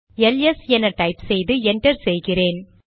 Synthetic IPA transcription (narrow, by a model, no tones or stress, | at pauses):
ɛlɛsɛnɐʈɐɪpsɛjðɯɛɳʈɐɾsɛjɣɪreːn